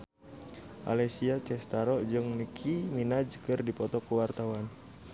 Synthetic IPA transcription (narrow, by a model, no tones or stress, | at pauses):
ʔa̰lɛsiat͡ʃɛst̪aɾɔʔd͡ʒɨŋnikʰiminad͡ʒkɨrdipɔt̪ɔkuwart̪awan